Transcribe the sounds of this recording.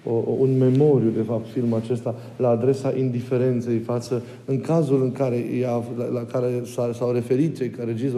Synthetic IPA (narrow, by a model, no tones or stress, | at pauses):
ounme̞mo̞ɾjud̪e̞fap̚t̪filməat͡ʃest̪a | laːd̪ɾe̞saʔind̪ife̞ɾe̞nt̪se̞jfat̪sə | ɨŋkazulɨŋkaɾe̞jalalakaɾe̞sasawre̞fe̞ɾit̪̚t͡ʃe̞jkaɾed͡ʒis